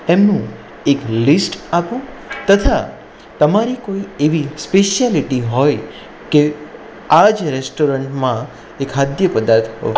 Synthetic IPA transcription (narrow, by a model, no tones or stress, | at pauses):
ɛmnũ | eklisʈapũ | t̪ət̪ʰa | t̪əmaɾikoieʋispeʃjaliʈiɦɔj | ke | ad͡ʒɾesʈoɾəɳʈmã | ekɦad̪jəpəd̪aɾt̪ʰɦɔ̰